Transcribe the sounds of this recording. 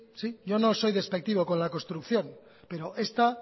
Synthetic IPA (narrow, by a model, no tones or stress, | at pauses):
siɟ͡ʝo̞noso̞jðespek̚t̪iβoko̞nlako̞nst̪ɾukθjo̞m | pe̞ɾoʔe̞st̪a